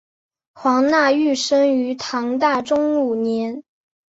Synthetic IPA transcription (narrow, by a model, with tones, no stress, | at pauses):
xwɑ˧˥ŋna˥˧y˥˩ʂə˥ŋy˧˥t̪ʰɑ˧˥ŋt̪a˥˩ʈ͡ʂʊ˥ŋu˨˩njɛ˧˥n